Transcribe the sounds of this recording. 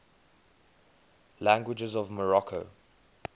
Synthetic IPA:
læ̃ŋɡwɪd͡ʒɪzɔvməɹɔkʰoʊ

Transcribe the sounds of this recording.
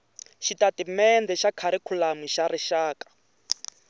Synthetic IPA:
ʃitatimɛnd̪ɛʃakʰaɾikʰulamwiʃaɾiʃaːkḁ

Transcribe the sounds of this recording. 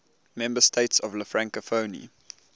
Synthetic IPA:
mɛ̃mbəstʰeɪtsɔvləfɹãŋkəfoʊnḭ

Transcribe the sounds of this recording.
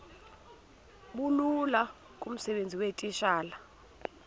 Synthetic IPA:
ɓulula | kʼum̩sɛɓend͡zʱiwetʼiʃaːla

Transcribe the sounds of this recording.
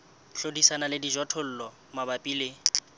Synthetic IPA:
ɬodisanalɪdiʒɔtʰɔl̩ːlɔ | mabapʼiːlɪ

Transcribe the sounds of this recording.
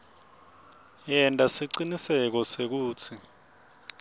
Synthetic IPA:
jɛntʼasiǀinisɛk̬ɔsek̬uːt͡sʰi

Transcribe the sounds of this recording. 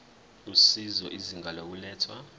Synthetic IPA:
usizɔʔiziŋɡʱalok̬ulɛːtʰwa

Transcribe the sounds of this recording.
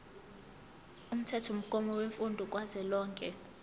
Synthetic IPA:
um̩tʰɛtʰɔm̩kʼɔmɔweɱfundʱɔk̬ʼwazɛlɔːŋkʼɛ

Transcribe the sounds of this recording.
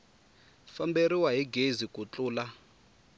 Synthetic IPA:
fambeɾiwaɦiɡezikʼut͡ɬuːla

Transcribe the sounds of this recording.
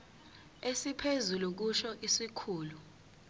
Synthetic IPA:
esipʰezuluk̬uʃɔʔisikʰuːlu

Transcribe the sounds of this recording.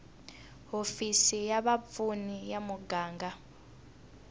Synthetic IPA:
ɦofisijaβap̪funijamuɡaːŋɡa

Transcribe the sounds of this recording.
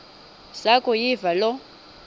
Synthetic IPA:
sakʼʊjivalɔ

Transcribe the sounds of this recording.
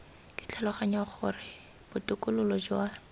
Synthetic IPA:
kʼɪ̥t͡ɬʰalʊχaɲaχʊ̰rɪ | b̥ʊtʊkʼʊlʊlɔd͡ʒwa

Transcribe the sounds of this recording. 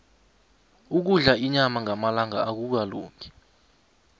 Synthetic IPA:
uk̬uɮaiɲamaŋʱamalaŋaak̬uk̬alo̰ːŋʱi̥

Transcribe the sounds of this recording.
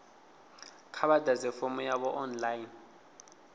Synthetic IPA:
kʰaɓadʱazɛfɔmɔjaɓɔʔɔnlajin

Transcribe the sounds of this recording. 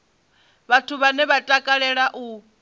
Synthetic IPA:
βatʰuβanɛβatʼakʼaɺɛɺaʔu

